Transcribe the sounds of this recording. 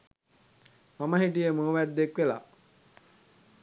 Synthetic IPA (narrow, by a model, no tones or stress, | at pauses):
maməɦiʈijəmoːʋæd̪ːekʋela̰